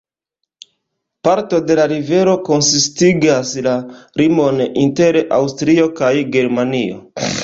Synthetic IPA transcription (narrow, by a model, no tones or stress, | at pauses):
paɾto̞de̞laɾive̞ɾo̞ko̞nsistiɡaslaɾimo̞ninte̞ɾʔawstɾio̞kajɡe̞ɾmanio̞̰